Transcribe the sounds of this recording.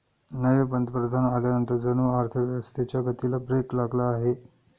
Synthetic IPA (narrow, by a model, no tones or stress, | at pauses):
nəjebənd̪ʱəpɾəd̪ʱanaljanənt̪əɾd͡zənuaɾt̪ʰəəst̪et͡ɕjaɡət̪ilabɾeklaɡlaːɦe